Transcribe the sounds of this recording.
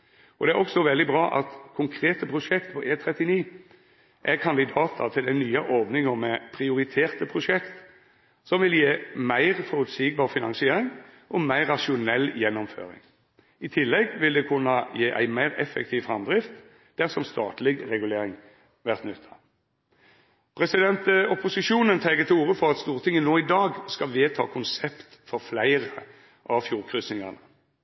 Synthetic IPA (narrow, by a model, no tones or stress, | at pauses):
ɔd̪ɛæʁɔksɔʋɛld̪ɪbʁɑːʔɑ̰t̪kʰʊŋkʰɾeːt̪əpʰʁʊʂɛkt̪pʰɔʔeːt̪ʰɾɛt̪ɪniː | ʔækʰɑnd̪ɪd̪ɑːt̪ʰə̰t̪ʰɪld̪ænyːɑʔɔʁʋnɪŋɔmɛpʰʁɪʊɾɪt̪ʰeːʁt̪əpʰʁʊʂɛkt̪ | sɔmʋɪljeːmæɪʁfɔʁʉt̪siɡ̚bɑːʁfɪnɑŋsɪeːɾɪŋ | ʔɔmæɪʁɑʂʊnɛlːjɛnːɔmfø̰ːɾɪ̰ŋ | ɪt̪ʰɪlːɛɡʋɪld̪ɛkʰʉnːɑjeːʔæ̰ɪmæɪʁɛ̰fɛ̰k̚t̪ʰiːʋfʁɑmd̪ʁɪft̪ | d̪̥æʁsɔmst̪ɑːt̪lɪɡʁɛɡʉleːʁɪŋ | ʋæʁt̪nʉt̪ʰːɑ̥ | pʰʁɛsɪd̪ɛnt̪ɔpʊsɪʃuːnənt̪ʰɛɡət̪ʰɪuːʁəfɔʁɑt̪st̪uːʁt̪ʰɪŋːənoːɪd̪ɑːɡskɑʋeːt̪ʰɑ̰ːkʰʊnsɛpt̪fɔʁflæɪʁə | ʔɑʋfjuːʁkʰɾʉsnɪŋɑnə